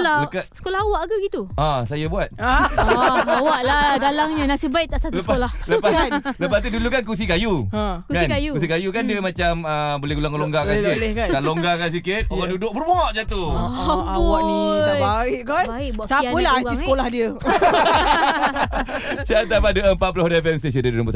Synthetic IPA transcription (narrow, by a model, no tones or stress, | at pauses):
laləkasə̥kolahawaʔɡaɡit̪uãsajəbuat̪̚a | awaʔladalaŋɲənasibaiʔ̚t̪aʔsatluəpaolahləpaləpat̪̬udulukankus̬ikajuãkukasinkajukus̬ikajukandiəmat͡ʃaməbolɛɦɡulaŋkloŋɡakanikɪt̪kaaloŋɡakans̬ikɪt̪̚oɣandudʊk̚bərmɔʔd͡ʒat̪u | waʔibaɪʔkana | sapəlahaiskolahdiə | sat̪amadəəmpat̪̚pulohdaɛfɛmst̪es̬əndədudumpəs